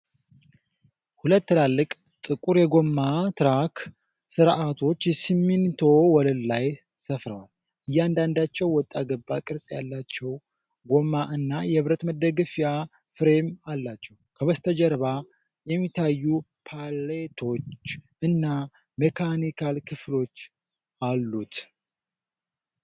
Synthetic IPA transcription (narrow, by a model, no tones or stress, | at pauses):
hulət̪ːɨlalːɨkʼ | t̪ʼɨkʼuɾjɛɡo̞mːat̪ʰɨɾak | sɨɾʔat̪ʰo̞t͡ʃːjɛsimːint̪ʰo̞wɔlɨllaj | səfɾəwal | ʔɨjːand̪and̪at͡ʃːɛwwɔt̪ʼːaɡəbːakʼɨɾsʼja̰lːat͡ʃːɛw | ɡo̞maʔɨnːajɛβɾət̪məd̪əɡɨfja | fɾemalːat͡ʃːɛwkʰəβəst̪ʰəd͡ʒɛɾβa | jɛmːit̪ʰːajːu | pʰalet̪ʰo̞t͡ʃːʔɨnːa | mekʰanikʰalkʰɨflo̞t͡ʃː | alːut̪